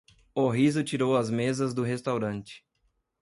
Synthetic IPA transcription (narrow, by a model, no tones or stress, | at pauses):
oɦizʊt͡ʃiɾowɐzmezɐzd̪ʊɦest̪awɾɐ̃nt͡ʃɪ̥